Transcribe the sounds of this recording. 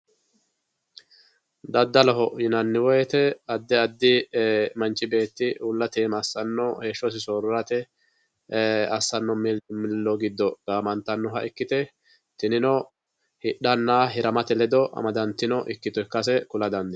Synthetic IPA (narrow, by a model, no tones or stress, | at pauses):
d̪ɐd̪ːɐlɐɦɔjɪnɐnːɪwɔjɛt̪ɛɐd̪ːɛɐd̪ːɪmɐnt͡ʃʼːɪbe̞ːt̪ːɪulːɐt̪eːmɐsːɐnːɔheːʃːɔs̬ɪsɔːɾʊɾɐt̪ɛ | ɐsːɐnːɔmɪmɪlːɔɡɪd̪ːɔɡ̥aːmɐnt̪ːɐnːɔɦɐɪkːɪt̪ɛ | t̪ɪnɪnɔ | hɪɗɐnːaːɦɪɾɐmɐt̪ɛlɛd̪ɔʔɐ̰mɐd̪ɐnt̪ːɪnɔʔɪkːɪt̪ɔkːɐsɛkʊlɐd̪ɐnd̪ɛ